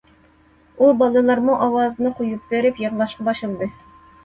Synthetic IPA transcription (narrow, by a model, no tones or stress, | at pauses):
ubɑlˠɨlˠɑɾmuʔɑwɑːzɨnɨqʰojup̚beɾɪpjɑʁlˠɑʃqɑbɑʃɨlˠd̪ɨ